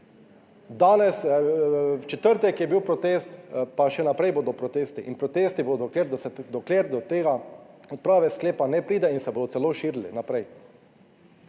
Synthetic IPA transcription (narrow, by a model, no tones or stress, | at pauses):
d̪aːnɛs | t͡ʃɛt̪əɾt̪ɛkjɛbiwpɾɔt̪eːst̪paʃɛnapɾɛjboːd̪ɔpɾɔt̪eːst̪iʔinpɾɔt̪eːst̪ibod̪ɔkeɾd̪ɔsɛd̪ɔkleːɾd̪ɔt̪eːɡaɔt̪̚pɾaːʋɛskleːpanɛpɾiːd̪ɛinsɛboːd̪ɔtsɛloːʃiːɾlinapɾɛj